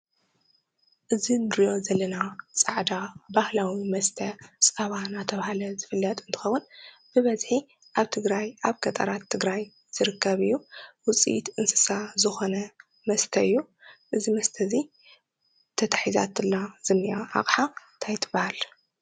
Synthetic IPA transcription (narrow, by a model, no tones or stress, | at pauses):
ʔɨzinɨɾijo̞zɐlːɐnat͡sʼaʕd̪abahlawimɐst̪ʰɐsʼɐβanat̪ʰɐβahalɐzɨfɨlːɐt̪ʼɨnt̪ʰɨ̥xɐwːun | b̥ɨβɐzħi | ʔaβt̪ʰɨɡɾajʔaβkʰɐt̪ʼɐ̰ɾat̪ʰːɨɡɾaj | z̥ɨɾɨkʰːɐβɨjːuwʊt͡sʼḭt̪ʔɨnsɨ̥sazɨxo̞nɐ | mɐst̪ʰɐɨjːu | ʔɨzimɐst̪ʰɐzi | t̪ʰɐt̪ʰḁħiza̰t̪ɨlːaz̥ɨmːɨʔaʔa̰χʼħant̪ʰajt̪ʰɨbahal